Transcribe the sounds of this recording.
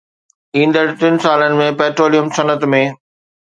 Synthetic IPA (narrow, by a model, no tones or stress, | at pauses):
ĩːnd̪əɽt̪ɪnɪ̆saːlənɪ̆mẽpɛːʈɾoːlijəmsɐnət̪mẽ